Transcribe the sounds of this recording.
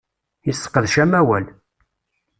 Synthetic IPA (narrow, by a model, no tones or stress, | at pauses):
isːə̥qːəðʃæmæwæl